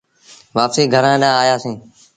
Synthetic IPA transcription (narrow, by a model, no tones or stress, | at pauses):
ʋaːpsiːɡʱəɾãːɗãːaːjaːsẽː